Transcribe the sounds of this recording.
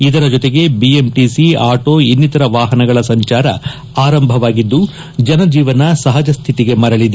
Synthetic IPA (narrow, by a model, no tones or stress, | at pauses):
id̪ɐɾɐd͡ʒot̪eɡe̞biemʈisiaːʈo̞ːinːit̪ɐɾɐʋaːɦɐnɐɡɐɭɐsɐɲt͡ʃaːɾɐ̰ | aːɾɐmbʱɐʋaːɡid̪ːu | d͡ʒɐnɐd͡ʒiːʋɐnɐsɐɦɐd͡ʒɐst̪ʰit̪iɡe̞mɐɾɐɭid̪e